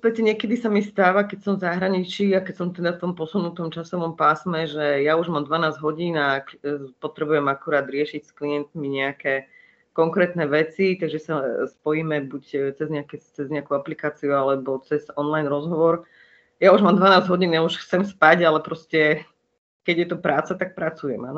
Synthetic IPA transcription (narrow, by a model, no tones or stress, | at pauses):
pɛtɛɲɪɛkɛd̪isamist̪aːʋakɛcsɔmvzaɦɾaɲit͡ʃiakɛcsɔmt̪ɛd̪aft̪ɔmpɔsunut̪ɔmt͡ʃasɔʋɔmpaːsmɛʒɛjauʒmaːmd̪ʋanaːzɟɦɔɟiːnapɔt̪ɾɛbujɛmakuɾaːd̪ɾɪɛʃicskliɛnt̪miɲɛakɛ | kɔŋkɾɛːt̪nɛʋɛt͡sit̪aɡʒɛsaspɔjiːmɛbuct͡sɛzɲɛakɛt͡sɛzɲɛakuaplikaːt͡siualɛbɔt͡sɛz̥ɔnlajnɾɔzɦɔʋɔɾ | jauʒmaːmd̪ʋanaːzɟɦɔɟiːnauʃxt͡sɛmspaɟalɛpɾɔscɛ | kɛɟjɛt̪ɔpɾaːt͡sat̪ak̚pɾat͡sujɛmanɔ